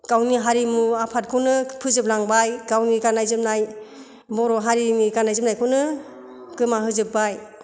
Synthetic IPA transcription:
kawniɦaɾimuapʰat̚kʰɯwnɯpʰɯzɯp̚laŋbajɡawniɡanajzɯp̚naj | mɔɾɔɦaɾinikanajzɯp̚najkʰɯwnɯ | kɯmaɦɯzɯpːaj

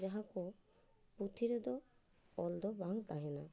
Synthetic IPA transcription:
d͡ʒaɦakɔ | put̪ʰiɾɛd̪ɔ | ɔld̪ɔbaŋt̪aɦɛna

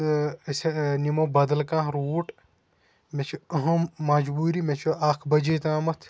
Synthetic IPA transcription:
senimobɐd̪ɐlkãːɾuːʈ | met͡ʃʰɐɦɐ̃ːɐd͡ʒbuːɾimet͡ʃʰuaːkʰbɐd͡ʒeːt̪ãːmɐt̪ʰ

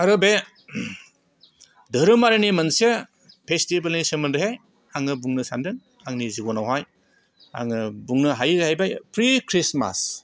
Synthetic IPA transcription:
aɾɯbe | dɯɾɯmaɾinimɐnse | pʰestibɐlnisɯmɯnɾɯɦej | aŋɯbuŋnɯsa̰ndɯn | aŋniziɡɔnawɦaj | a̰ŋɯbuŋnɯɦajzhajbajpʰɾikʰɾisma̰s

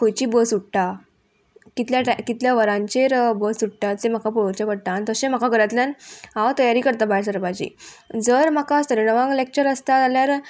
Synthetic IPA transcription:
kojt͡ɕiːbəsuʈʈa | kit̪ljaʈakit̪ljaʋəɾãɲt͡ɕeɾbəsuʈʈad͡zem̤akapuɭot͡ɕapəɽt̪aːnt̪əɕẽm̤akaɡəɾat̪ljanɦat̪əjaɾiːkəɾt̪abaɭsəɾbad͡ʑḭːd͡zəɾm̤akaəst̪əɾenəʋãŋɡlek̚t͡ɕəɾəst̪at̪aljaɾ

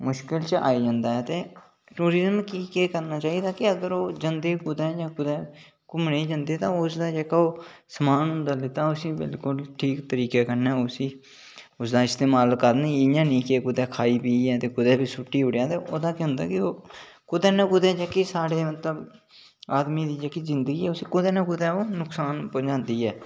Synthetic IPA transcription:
mʊʃkɪlt͡ʃa̰ːiːd͡ʒãnd̪aːɛːt̪eː | ʈuːɾɪzəmkiːkeːkəɾnaːt͡ʃaːiːd̪aːkɪəɡəɾoːd͡ʒənd̪eːkʊd̪ɛ̃ːd͡ʒãːkʊd̪ɛ̃ː | kʊmɳeːd͡ʒə̃nd̪eːt̪ãːʊsd̪aːd͡ʒeːkaːoː | səmaːnɦʊ̃nd̪aːlɪt̪aːʊsĩːbɪ̰lkʊlʈʰiːkt̪əɾiːkeːkəɾnɛːosĩː | ʊsd̪aːɪst̪eːmaːlkəɾnẽːiːjãːnĩːkeːkʊd̪ɛ̃ːkʰaːiːpiːɛːt̪eːkʊd̪ɛ̃ːbiːsʊʈːiːʊɽjãːt̪eːoːd̪aːkʊ̃nd̪a̰ːkɪoːkʊd̪ɛ̃ːnəkʊd̪ɛːd͡ʒɛːkesaːɽeːmət̪ləb | aːd̪miːd̪iːd͡ʒəkiːzɪnd̪əɡiːɛːʊsiːkʊd̪ɛːnəkʊd̪ɛ̃ːoːnʊksaːnpoːd͡ʒãːnd̪iːɛː

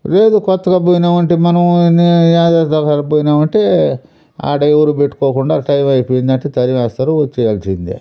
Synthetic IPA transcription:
ɾe̞ːd̪ukɔt̪ːɐɡaːbujinaːʋɐɳʈemɐnɐmnijaːd̪aːsd̪ɐkaɾɐbuːjinaːʋɐɳʈeː | a̰ːɖɐewuɾube̞ʈːu̥koːkuɳɖaːʈɐjimɐjpoːjind̪ɐɳʈet̪ɐɾiʋɛːst̪aːɾuɐt͡ʃːɛjaːlsind̪ḭ

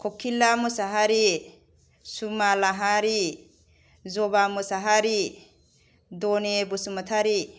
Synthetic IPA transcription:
kʰɔkʰilamusaɦaɾi | sumalaɦaɾi | zɔbamusaɦaɾi | dɔnebusumatʰaɾi

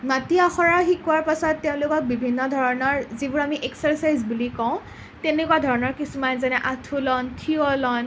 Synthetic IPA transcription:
matiaxɔɹaxikʊaɹpasɔtːeʊ̃lʊkɔk̚bibʱinːɔdʱɔɹɔnɔɹzibʊɹamiʔeksaɹsajzbulikɔ̃ʊ̃ | tenekuwadʱɔɹɔnɔɹkisumanzanɛʔatʰulɔntʰiɔlɔn

